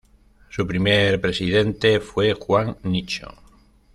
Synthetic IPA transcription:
supɾimeɾpɾe̞siðe̞nt̪e̞fwe̞xwaŋnit͡ʃo̰

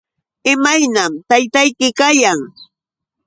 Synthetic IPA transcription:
ɪmajnamt̪ajt̪ajkɪkajaŋ

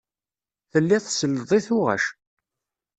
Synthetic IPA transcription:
θəlːiðˤsəlːəðˤiθʊʁæ̰ʃ

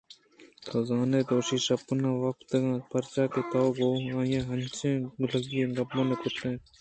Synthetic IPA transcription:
kʰɐzaːneːd̪oːʃiʃɐpnaːʋɐkt̪ɡãːpʰɐɾt͡ʃaːket̪oːɡoːãːjẽːɦɐnt͡ʃʰẽːləɡijeːɡɐbõnekʊt̪ẽː

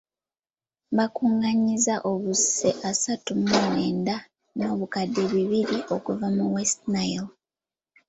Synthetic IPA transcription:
βakuːŋɡaɲizaʔo̞βuse̞ʔasatumumeːnda | no̞ːβukadːe̞βiβiɾiʔo̞kuvamuwestnajl

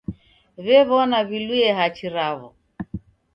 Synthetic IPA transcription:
βɛβɔnaβilwiɛɦat͡ʃiɾaβɔ̰

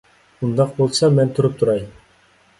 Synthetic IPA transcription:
und̪ɑq̚bolˠsɑmɛnt̪ʰuɾup̚t̪ʰuɾɑj

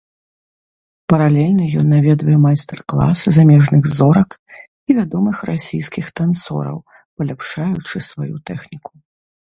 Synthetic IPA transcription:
pɐɾalʲɛlʲnɐjɔnːavʲɛd̪vɐjɛmajst̪ɛrklˠa̰sɨzamʲɛʐnɨɣzɔɾɐk | ivʲad̪ɔmɨxrasʲijskʲixt̪ant̪sɔ̰ɾɐ̰w | pɐlʲapʂajut͡ʂɨsvajut̪ɛxnʲiku̥

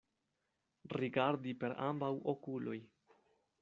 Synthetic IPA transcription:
ɾiɡaɾdipe̞ɾa̰mbawokulo̞j

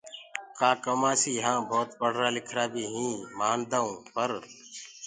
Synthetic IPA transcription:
kaːkəmaːsiːɦãːbʱɔːt̪bəɽ̤ɾaːlɪkʰɾaːbʱiːɦĩːmaːnd̪aːũːpəɾ

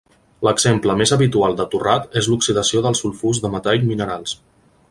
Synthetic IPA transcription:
ləɡzempləmezəβit̪ualˠd̪ət̪urat̪ezluksiðəsioðəlˠsulˠfuzðəmət̪ajminəɾalˠs

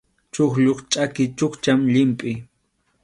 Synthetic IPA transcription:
t͡ʃoχʎoχt͡ʃʼakɪt͡ʃoχt͡ʃamʎɪmpʼɪ

